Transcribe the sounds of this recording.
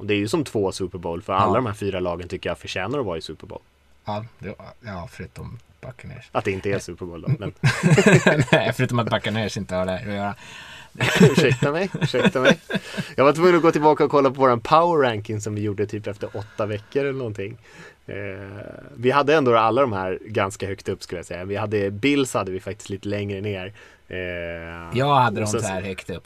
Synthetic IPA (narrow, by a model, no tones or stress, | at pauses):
ʔɔd̪ɛæɾjɵsɔmt̪ʰvoːsʉːpəɾboːlfœɾa̰lːad̪ɔmhæːɾfyːɾalɑːɡənt̪ʏkːəjafœɕɛːnaɾɔvaɾɪsʉ̟ːpəɾbo̰ːl | ɑd̪ɛjɑfœɾʉ̟ːt̪ɔm | b̥akːanḛʂʔat̪̚d̪ɛɪnt̪əheːsʉːpəɾboːld̪ɔmɛ̰n | nɛfœɾʉ̟ːt̪ɔmat̪bakːaneʂɪnt̪əhɑɖɛɾɔjœːɾa | ʉ̟ːʂɛkk̚t̪amɛjʉʂɛkt̪amɛjjɑːɡvat̪ʰvɵŋːənɔɡoːt̪ɪlbɑːkaɔkʰɔlːapʰɔvoːɾanpʰaʊəɾɾæŋkɪŋs̬ɔmvɪjuːɖət̪ʰyːpɛft̪əɾɔt̪ːavɛkːəɾɛlːənɔnt̪ʰɪŋː | vɪɦad̪ːəɛnd̪oːɾalːad̪ɔmhæːɾɡanskahœkt̪ɵpːskɵ̟ləja̰sɛjːavɪhad̪ːəbɪlːshad̪ːəvɪfak̚t̪ɪst̪iːt̪əlɛŋɾəneːɾ | jɑːhad̪ːəd̪ɔsæːɾhœkt̪ɵpː